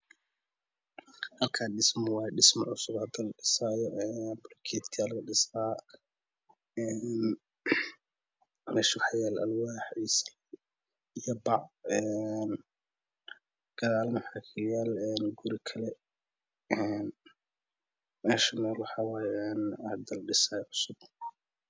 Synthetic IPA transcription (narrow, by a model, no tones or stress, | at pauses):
hɐlkʰaːɖɪsmɔwaːjɛɖɪsmɔ̰ʕʊsʊbhɐd̪ɛlɐɖɪsaːjɔʔɛnbrkʰɛːt̪kʰɪjaːllɐɖɪsaː | ɛːn | mɛːʃwɑħjaːlʔɐ̰lwaːħisɐ̥lɛ | ijɔbɑʕɛn | ɡ̥ɐðaːlmɐħakʰɐjaːlɛːnɡʊɾikʰɐlɛ | ɛn | mɛːʃɐnɛːlwɑħɑːwaːjɛɛːnhɐd̪ɐlɖɪsaːjʕʊsʊb̚